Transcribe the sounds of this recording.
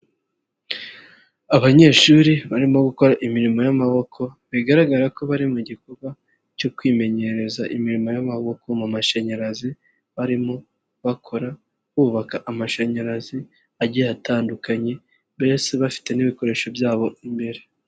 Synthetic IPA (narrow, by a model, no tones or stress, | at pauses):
aβaɲe̞ːʃuːɾiβaɾimo̞ɡuko̞ɾaʔimiɾimo̞jamaβo̞kʰo̞βiɡaɾaɡaɾako̞βaɾimuɟikoɡwa | co̞kwiːme̞ɲe̞ɾe̞zaʔimiɾimo̞jamaβo̞ko̞mumaʃaɲaɾazi | βaɾimo̞ | βakʰo̞ɾa | βuːβakaʔamaʃaɲaɾazi | aɟiataːndukaɲe̞ | βe̞se̞βafi̥te̞niβiko̞ɾe̞ːʃo̞bjaːβo̞imbe̞ɾe